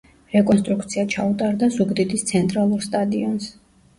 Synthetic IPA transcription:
ɾɛkʼɔns̬t̪ʼɾukʰt̪sʰiat͡ʃʰaut̪ʼaɾd̪azuɡd̪id̪ʰist̪sʰɛnt̪ʼɾalˠuɾst̪ʼad̪iɔns

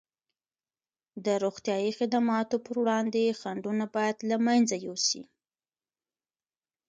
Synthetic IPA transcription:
d̪əɾoxt̪jɑjixɪd̪amɑt̪opəɾwɽɑnd̪exaɳɖunabɑjad̪lamanzajosḭ

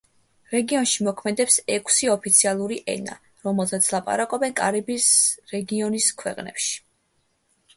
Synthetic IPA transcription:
ɾɛɡiɔnʃimɔkʰmɛd̪ɛpsɛkʰsiɔpʰit̪sʰialˠuɾiʔɛ̰na̰ | ɾɔmɛlˠt̪ʰat̪sʰlˠapʼa̰ɾakʼɔbɛnkʼaɾibisɾɛɡiɔniskʰwɛ̰qʼnɛ̰pʃi̥

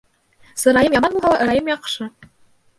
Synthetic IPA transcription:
sɤ̆ɾɑjɤmjɑmɑnbulˠɦɑlˠɑʔɤ̆ɾɑjɤmjɑqʂɤ

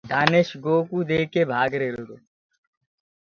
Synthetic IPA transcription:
d̪aːneʃɡoːkud̪eːkebʱaːɡɾeːɾod̪oː

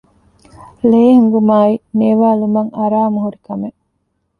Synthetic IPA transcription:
leːɦuŋɡumaːineʋaːlumɐŋɐɾaːmuɦuɾikɐme

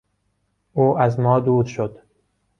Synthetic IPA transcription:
ʔuːʔæzmɒːd̪uːɾʃod̪

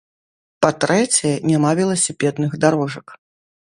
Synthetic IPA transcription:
pat̪ɾɛt͡sʲɛjɛnʲamavʲɛlˠɐsʲipʲɛd̪nɨɣd̪aɾɔʐɐk

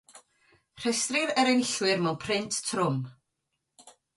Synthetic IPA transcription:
r̥ɛstrɪɾɛɾɛnɪɬwɪrmɛwnpʰrɪntʰtʰːrʊm

